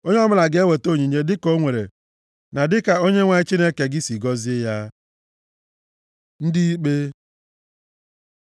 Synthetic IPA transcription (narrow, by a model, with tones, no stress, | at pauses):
o˦ɲe˦ɔ˦mʊ˦la˨ɡe˦we˨to˦˨ɲi˨ɲe˦dɪ˦ko˦ŋʷe˨ɾḛ˨ | na˨dɪ˦ka˨o˦ɲe˦ŋʷa˨ɪ˦t͡ʃi˦ne˦ke˨ɡɪ˦si˨ɡɔ˦zɪ˦ja˦ | n̩˦dɪ˦i˦k͡pe˦